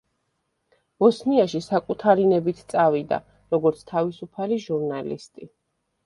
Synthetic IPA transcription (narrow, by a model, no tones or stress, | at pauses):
b̥ɔsniaʃisakʼut̪ʰaɾinɛbit̪ʰt̪sʼavid̪a̰ | ɾɔɡɔɾt̪sʰt̪ʰavisupʰaliʒuɾnalḭst̪ʼi